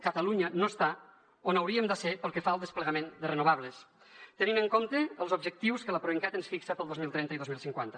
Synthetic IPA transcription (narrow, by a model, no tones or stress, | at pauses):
kət̪əluɲənost̪a | onawɾiəmd̪əsepəlˠkəfaəlˠd̪əspləɣəmend̪ərənuβ̞aβləs | t̪əninəŋkomt̪əəlˠzubʒək̚t̪iwskələpɾoiŋkat̪ənsfiksəpəlˠozmilˠt̪ɾɛnəiðozmilˠsiŋkwant̪ə̥